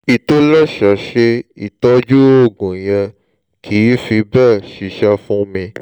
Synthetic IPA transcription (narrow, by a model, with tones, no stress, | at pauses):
i˨to˦lɛ˦˨ʃa˨ʃe˧i˨tɔ˦d͡ʒu˦o˦˨ɡũ˨jɛ˧ | kʰi˨˦fi˧bɛ˦˨ʃi˨ʃɛ˧fũ˦mĩ˧